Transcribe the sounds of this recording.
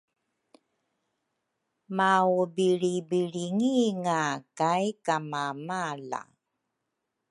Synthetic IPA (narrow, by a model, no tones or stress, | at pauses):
maubiɻibiɻiŋiŋakajkamamala̰